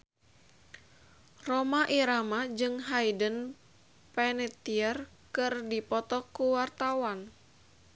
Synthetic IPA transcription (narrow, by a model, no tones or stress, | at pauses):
romaʔiɾamad͡ʒɨŋɦaidən | pɛnɛt̪iər | kɨrdipɔt̪ɔkuwart̪awan